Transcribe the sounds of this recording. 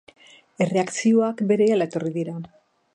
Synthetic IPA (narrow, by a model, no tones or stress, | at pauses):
e̞re̞aksio̞akbe̞ɾe̞alae̞t̪o̞riðiɾa